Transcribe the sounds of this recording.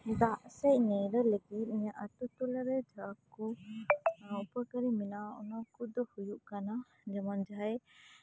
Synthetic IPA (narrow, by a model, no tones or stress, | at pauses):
d̪aʔsɛc̚nɛjɾəlekit̪̚iɲaʔət̪ut̪ulaɾɛd͡ʒʱakɔ | upəkəɾiminaɔ̰nakud̪ɔhujuʔkana | d͡ʒɛmand͡ʒaj